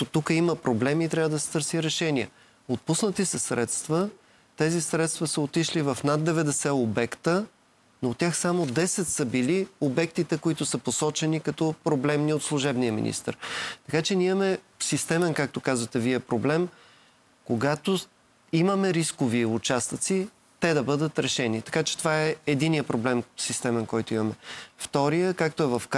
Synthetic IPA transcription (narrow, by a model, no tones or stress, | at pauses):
ot̪ukəiməpɾoblɛmiːt̪ɾʲavəd̪ɐsɛ̥t̪ɤɾsiɾɛʃɛniə̰ | ot̪̚pusnət̪isɛsɾɛt̪st̪və | t̪ɛzisɾɛt̪st̪vəsəot̪iʃlivɐfnad̪̚d̪ɛvɛd̪ɛsɛobɛkt̪ə | nooːt̪ːʲjaxsamod̪ɛsɛt̪səbiliobɛk̚t̪it̪ɛkoit̪ʊsəposɔt͡ʃɛnikɐt̪ɔpɾoblɛmniot̪slˠʊʒɛbnijəmḭnḭst̪ə̰ɾt̪ɐkat͡ʃɛnʲiiɐmɛ | sist̪ɛmɛnkak̚t̪okazvət̪ɛviɛpɾoblɛm | koɡat̪o | iməmɛɾiskoviʊt͡ʃast̪ət̪si | t̪ɛd̪ɐbɤd̪ət̪ɾɛʃɛnit̪ɐ̥kat͡ʃɛ̥t̪ovaɛɛd̪inijəpɾoblɛmsist̪ɛmɛnkɔjt̪oimɐmɛft̪ɔɾijəkak̚t̪oɛvɐfk